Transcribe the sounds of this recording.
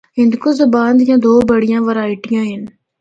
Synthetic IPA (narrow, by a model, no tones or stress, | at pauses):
ɦɪ̃nd̪koːzɐbãːnd̪jãːd̪oːbəɽ̤ɪjãːʋəɾaːɪʈɪjãːɦɪn